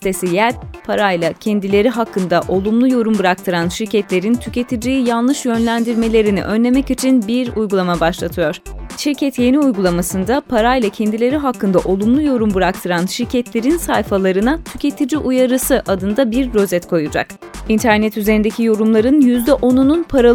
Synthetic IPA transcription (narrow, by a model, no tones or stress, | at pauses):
t̪esijæɾpʰaɾajlˠacʰɛnd̪ilʲe̞ɾiɦakʰːɯnd̪aʔo̞lˠumlˠujo̞ɾumbɯɾak̚t̪ʰɯɾanʃiɾcʰɛt̪lʲe̞ɾint̪ʰyce̞t̪ʰid͡ʒijijanˠlˠɯʃjø̞nlʲænd̪iɾme̞lʲe̞ɾinḭʔønlʲe̞mɛcit͡ʃʰinbiɾujɡulˠamabaʃlˠat̪ʰɯjo̞ɾ̥ʃiɾcʰɛt̪je̞niujɡulˠamasɯnd̪apʰaɾajlˠacʰɛnd̪ilʲe̞ɾiɦakʰːɯnd̪aʔo̞lˠumlˠujo̞ɾumbɯɾak̚t̪ʰɯɾanʃiɾcʰɛt̪lʲe̞ɾinsajfalˠaɾɯnat̪ʰycʰe̞t̪ʰid͡ʒiʔujaɾɯsɯʔad̪ɯnd̪abiɾɾø̞zɛt̪kʰo̞jud͡ʒa̰k | int̪ʰæɾnɛt̪yze̞ɾind̪ecʰʲijo̞ɾumlˠaɾɯnjyzd̪ɛʔo̞nununpʰaɾa